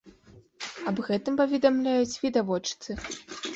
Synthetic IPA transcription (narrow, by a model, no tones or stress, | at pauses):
ɐbɣɛt̪ɨmpɐvʲɛd̪amlʲajut͡sʲvʲid̪avɔt͡ʂt̪sɨ